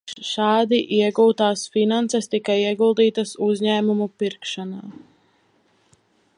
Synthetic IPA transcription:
ʃɑːd̪iʔiɛɡuːt̪aːsfinansɛst̪ikajiɛɡulˠd̪iːt̪ɐsuzʲɲæːmumupiɾkʃanaː

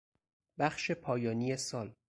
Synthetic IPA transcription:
bæχʃe̞pʰɒːjɒːnijesɒːl

